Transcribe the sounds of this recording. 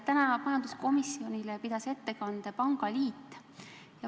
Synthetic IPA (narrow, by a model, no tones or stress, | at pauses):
t̪ænɑmɑjɑnd̪usko̞misːio̞nʲilepid̪̥ɑse̞t̪ːe̞kɑnd̪epɑŋɡ̥ɑliːt̪ː | jɑ